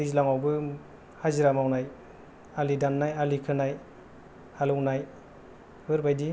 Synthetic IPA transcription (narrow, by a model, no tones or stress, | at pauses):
izlaŋawbɯ | haziɾamawnaj | alidanːajalikʰɯnaj | halɔŋnaj | hɯɾbajdi